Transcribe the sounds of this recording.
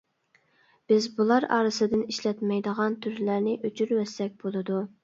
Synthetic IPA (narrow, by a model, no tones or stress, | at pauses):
b̥ɪzbulˠɑɾɑ̰ːɾɨsɨd̪ɪniʃlɛt̪mɛjd̪əʁɑnt̪ʰyɾlæɾnɪʔøt͡ʃʰyɾwɛsːɛk̚ʲbolˠɨd̪u